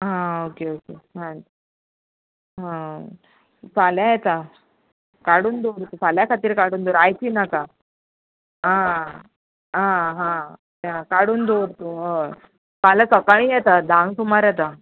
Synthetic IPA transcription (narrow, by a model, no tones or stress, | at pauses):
ɦãokeokemã | ɦã | faljajɛt̪a | kaɽuːnd̪oɾt̪ufʰaljakʰat̪iːɾkaɽuːnd̪oɾajt̪iːnaka | ɦã | ɦãɦãokeɦãkaɽuːnd̪oɾt̪uɦ | falasəkaɭ̃ĩːjɛt̪ad̪ʱãŋɡt̪umaɾjɛt̪a